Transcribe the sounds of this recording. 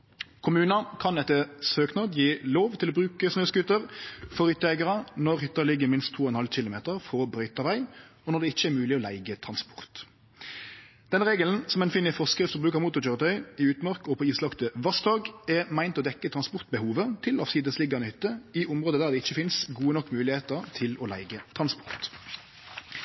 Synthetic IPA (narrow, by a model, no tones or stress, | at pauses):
kʰʊmʉːnɑkʰɑnɛt̪ːəsøːknɑd̪jiːloːʋt̪ʰɪlɔbɾʉːkəsnøːsɡʉt̪ːəʁfɔʁhʏt̪ːəæɪɡəʁənɔʁhʏt̪ːəlɪɡːəmɪnst̪ʰːuːɔɛnhɑlc͡çɪlʊmeːt̪əʁfɔʁbʁœʏt̪ɑʋæɪ | ɔnɔd̪ɛɪçːəɛmʉːlɪɔlæ̰ɪɡət̪ʰʁɑnspɔ̥ʁt̪ | d̪̥ɛnəʁeːɡəln̩sɔmɛnfiːnɪfɔskɾɪft̪ɔbʁʉːkɑmuːt̪ʊt͡ʃœʁt̪ʰœʏɪʉːt̪mɑʁkɔpʰɔiːslɑkt̪əʋɑsd̪ɑːɡɛʁmæɪnt̪ɔd̪ɛkːət̪ʰʁɑnspɔʁt̪̚bəhuːʋət̪ʰɪlɑfsiːd̪əslɪɡːɑnəhʏt̪ːəɪʔʊmʁoːd̪əd̪æːʁd̪ɛɪçːəfɪnsɡuːənɔkːmʉːlɪheːt̪əʁt̪ʰɪlɔlæ̰ɪɡət̪ʰʁɑnspɔ̥ʁt̪